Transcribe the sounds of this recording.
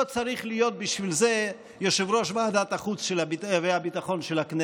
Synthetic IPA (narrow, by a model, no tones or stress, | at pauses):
ot͡saɾiχlijo̞t̪̚biʃvilze | joʃevɾo̞ʃvead̪at̪aχut͡sʃelabiveabit̪aχo̞nʃelakne